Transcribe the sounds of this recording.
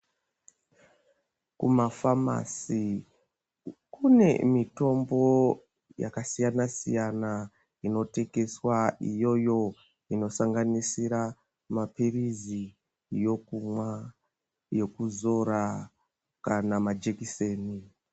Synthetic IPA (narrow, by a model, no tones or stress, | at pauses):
kumafama̰si | kune̞̰mito̞mbo̞ | ja̰kasijanasḭjana | ino̞te̞ɡe̞swaijo̞jo̞ | ino̞saŋɡanisiɾa | mapirizi | jo̞kumwa | jo̞kuzo̞ɾa | kanamad͡ʒekiseːni